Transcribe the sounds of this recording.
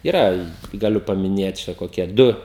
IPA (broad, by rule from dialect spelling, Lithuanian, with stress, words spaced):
ɪˈrɐ ɡɐˈlʲʊ pɐmʲɪˈnʲeːt ˈt͡ʃʲɛ koːˈkʲiɛ ˈdʊ